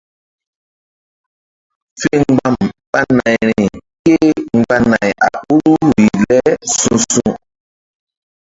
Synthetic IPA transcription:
fe˦ŋ͡mɡ͡ba˦˨mɓa˦na˨jɾi˨ke˦ŋ˦ɡ͡ba˦na˨jʔa̰˨ɓu˦ɾu˦ɾi˨lɛ˦sũ˦sũ˦

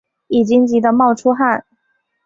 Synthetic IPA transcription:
i˨˩t͡ɕi˥ŋt͡ɕi˧˥d̪ə˧mɑ˥˩ʊʈ͡ʂʰu˥xa˥˩n

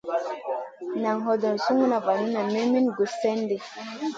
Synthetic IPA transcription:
na˨ŋɦɔ˦dɔ˨nsu˦ŋu˦na˨va˨nu˦na˨me˦mi˦nɡu˨sfe˦nde˨

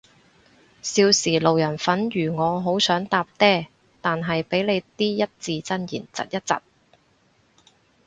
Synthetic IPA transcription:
siː˧wsiː˨˩lo˨wjɐ˨˩nfɐ˨˥njyː˨˩ŋɔː˨˧ɦo˨˥wsœː˨˥ŋt̪aː˧p̚t̪ɛː˥ | t̪aː˨nɦɐ˨jpe˨˥jle˨˧jt̪iː˥jɐ˥t̚t͡siː˧t͡sɐ˥njḭː˨˩nt͡sɐ̰˨t̚jɐ˥t̚t͡sɐ̰˨t̚

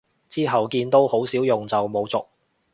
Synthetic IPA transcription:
t͡siː˥ɦɐ˨wkiː˧nt̪o˥who˨˥wsi˨˥wjʊ˨ŋt͡sɐ˨wmo˨˧wt͡sʊ˨k̚

